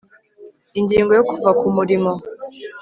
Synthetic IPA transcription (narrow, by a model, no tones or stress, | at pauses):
iɲɟiŋɡɔjokuvakumuɾimɔ